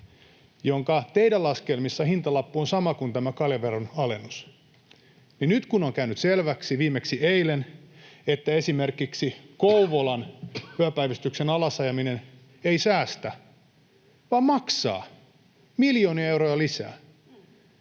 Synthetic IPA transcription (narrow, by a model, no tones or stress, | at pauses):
joŋkɑt̪eidælɑskelmisːɑhint̪ɑlɑpːuonsɑmɑkunt̪æmækɑljɑʋeronɑlenːus | ninnyt̪kunoŋkæynyt̪selʋæksiʋiːmeksieilenet̪ːæesimerkiksikouʋolɑnpyæpæiʋist̪yksenɑlɑsɑjɑminen | eisæːst̪æ | ʋɑːmmɑksɑ̰ː | miljoːniɑewrojɑlisæ̰ː